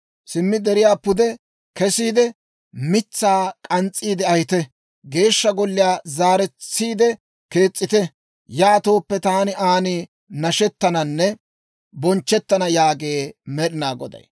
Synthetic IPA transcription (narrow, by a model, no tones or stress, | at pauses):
sɪmːɪd̪ɛɾɪjaːpʊd̪ɛ | kɛsiːd̪ɛ | mɪt͡sːaːkʼɐnt͡sʼːiːd̪ɛɐjɪt̪ɛ | ɡe̞ːʃːɐɡɔlːɪjaːzaːɾɛt͡sːiːd̪ɛ | ke̞ːt͡sʼːɪt̪ɛ | jaːt̪o̞ːpːɛt̪aːnɪʔaːnɪ | nɐʃɛt̪ːɐnɐnːɛ | bɔnt͡ʃːɛt̪ːɐnɐjaːɡeːmɛɗɪnaːɡɔd̪ɐ̰j